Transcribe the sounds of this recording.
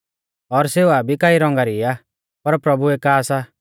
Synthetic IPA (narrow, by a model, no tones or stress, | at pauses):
ɔɾseːuabʱikaːiɾɔ̃ŋɡaɾia | pɐɾpɾɐbuekaːsa